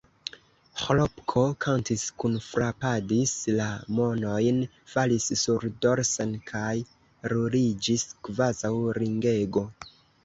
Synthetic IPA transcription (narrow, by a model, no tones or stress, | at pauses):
holopkʰo̞kʰantiskunfɾapadislamo̞no̞jn | falisːuɾdo̞ɾsenkʰaj | ɾuɾid͡ʒiskvazawɾiŋɡe̞ɡo̞